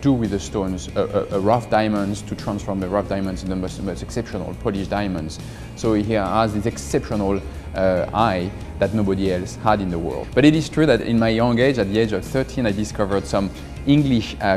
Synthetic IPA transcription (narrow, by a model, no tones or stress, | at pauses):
d̥uwɪðəstõʊ̃nzəʔʔəɹʌfd̥aɪmə̃ndztʰutʰɹ̥ãnsfɔɹmðəɹʌfd̥ajmə̃nz̃nðəmostmoʊstɛksɛpʃɔnə̰lˠpʰɔliʃdaɪmə̃ndz̥ | soʊhiazðisɛksɛpʃɔnlˠ | aɪ | ðatⁿnoʊbɔɾiɛlˠshaɾĩnðəwɜ̰˞lˠdb̥ʌɾiɾɪz̥tʰɹ̥uðæɾɪ̰̃nmajjɔ̃ŋɡed͡ʒat̪̚ðieɪd͡ʒʌv̥θɜ˞tʰĩnajdɪskʌvə˞d̥sʌ̃m | ɪ̃ŋɡliʃ